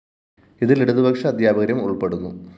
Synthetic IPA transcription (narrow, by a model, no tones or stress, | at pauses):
iðiliɽuðubʱɐkʂɐːd̪ʱjaːbɐɣɐɾjɐmuɭpe̞ɽunːṵ